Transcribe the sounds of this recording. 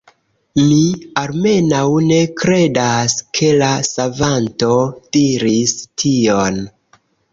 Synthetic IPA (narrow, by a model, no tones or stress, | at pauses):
mialme̞nawne̞kɾe̞daskʰe̞lasavanto̞d̥iɾistʰio̞n